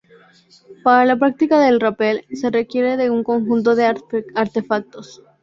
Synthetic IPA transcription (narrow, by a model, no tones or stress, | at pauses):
paɾalapɾak̚t̪ikaðe̞lrape̞lse̞re̞kje̞ɾe̞ðe̞uŋko̞ŋxunt̪̬o̞ðeaɾt̪e̞fak̚t̪o̞s